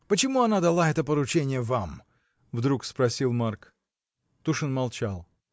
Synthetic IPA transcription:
pət͡ɕɪmuɐnad̪ɐlˠaɛt̪əpəɾʊt͡ɕenʲɪjəvam | vd̪ɾukspɾɐsʲilˠmark | t̪uʂɨnmɐlˠt͡ɕalˠ

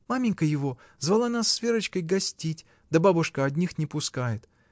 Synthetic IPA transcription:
mamʲɪnʲkəjɪvo̞ | zvɐlˠanasːvʲeɾət͡ɕkəjɡɐsʲtʲitʲ | d̪əbabʊʂkəɐdʲnʲixnʲɪpʊskajɪt̪

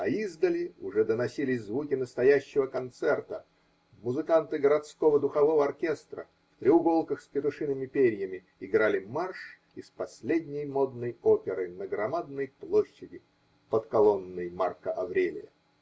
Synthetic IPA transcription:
ɐizd̪əlʲɪʊʐɛd̪ənɐsʲilʲɪsʲzvukʲɪnəst̪ɐjæɕːɪvəkɐnt̪sɛrt̪ə | mʊzɨkant̪ɨɡəɾɐt̪skovəd̪ʊxɐvo̞vəɐrkʲe̞st̪ɾə̰ | fp̪ɾʲɪʊɡo̞lˠkəxspʲɪt̪ʊʂɨnɨmʲɪpʲeɾʲjəmʲɪ | ɪɡɾalʲɪmarʂ | ɪspɐsʲlʲedʲnʲɪjmo̞d̪nəjopʲɪɾɨnəɡɾɐmad̪nəjplˠo̞ɕːɪdʲɪ | pət̪kɐlˠo̞nːəjma̰rkəʔɐvɾʲelʲɪ̰jə̰

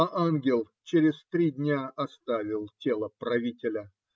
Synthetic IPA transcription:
aʔanɡʲɪlˠ | t͡ɕeɾʲɪst̪ɾʲidʲnʲaʔɐst̪avʲɪlˠtʲe̞lˠəpɾɐvʲitʲɪlʲə

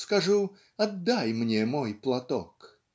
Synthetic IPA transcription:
skɐʐu | ɐd̪ːajmnʲemojplˠɐt̪o̰k

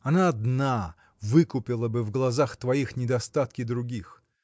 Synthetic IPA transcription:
ɐnaɐd̪na | vɨkʊpʲɪlˠəbɨvɡlˠɐzaxt̪vɐixnʲɪd̪ɐst̪at̪̚kʲɪd̪ɾʊɡʲix

